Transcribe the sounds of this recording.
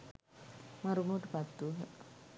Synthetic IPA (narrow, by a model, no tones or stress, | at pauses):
maɾumuʈbat̪ːu